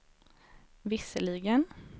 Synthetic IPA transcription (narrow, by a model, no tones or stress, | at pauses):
vɪsəlɪɡən